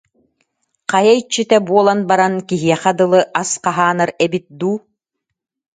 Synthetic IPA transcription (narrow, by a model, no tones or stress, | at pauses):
qajait͡ɕːit̪ɛbuɔlˠanbaɾankiɦiɛχɛd̪ɯlˠɯʔasqaɦaːnaɾɛbit̪̚d̪uː